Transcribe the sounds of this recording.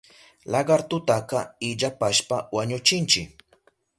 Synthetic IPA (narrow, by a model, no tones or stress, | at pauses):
lɑɢɑɾt̪ʊt̪akɑɪʎapaʃpawaɲʊt͡ʃɪnt͡ʃɪk